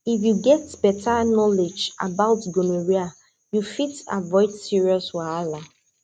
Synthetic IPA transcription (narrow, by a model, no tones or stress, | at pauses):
ifjuɡɛtb̥ɛtʰanɔled͡ʒa̰baʊtɡoneɹia | jufita̰vɔɪtsiɹiɔswaala